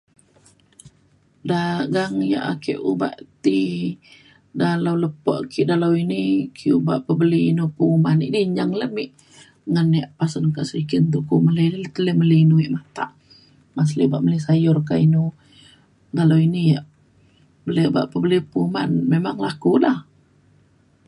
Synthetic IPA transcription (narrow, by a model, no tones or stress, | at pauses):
daɡaŋja̰ʔakə̰ʔuba̰ʔt̪i | dalawləpɔ̰ʔkiʔdalawinikʰiubaʔpəbəlinupəumaniʔdiɲaŋləmiʔ | ŋənːaʔpasənkaʔsəɾikint̪uʔkumələlilt̪ələməliinuwiʔmat̪aʔ | mas̬liubaʔmələsajʊrk̬ainu | ɡalawinijaʔ | bəliuba̰ʔpəbəlipəumanmemaŋlakulah